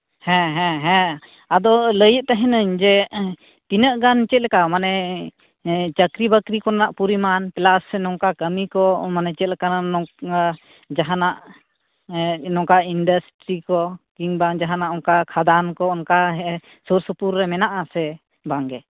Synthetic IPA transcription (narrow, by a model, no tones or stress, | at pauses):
hɛ̃ɦɛ̃ɦɛ̃ | ad̪ɔləjəʔt̪aɦɛ̃nəɲd͡ʒɛ | t̪inəʔɡant͡ʃɛt̪̚lɛkamanɛ | t͡ʃəkɾibəkɾikɔnanaʔpuɾimanpɛlasːɛnɔŋkakəmikɔmanɛt͡ʃɛt̪̚lɛkaanɔa | d͡ʒaɦanaʔ | nɔŋkainɖəsʈɾikɔkiŋbaŋd͡ʒaɦanaʔɔŋkakʰad̪ankɔɔnkaɦɛ | suɾsəpuɾːɛmɛnaʔasɛ | baŋɡɛ